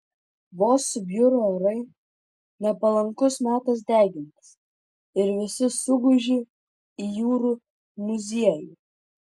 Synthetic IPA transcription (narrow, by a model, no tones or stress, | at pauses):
ʋoːsʊbʲjʊɾoːɛɾɐɪ | nʲɛpɐlˠɐŋkʊsmʲæːt̪ɐs̬d̪ʲæːɡʲɪnt̪ʲɪ̥s | ɪɾʋʲɪsʲɪsʊɡʊʒʲi | ijuːɾuː | mʊzʲiɛjuː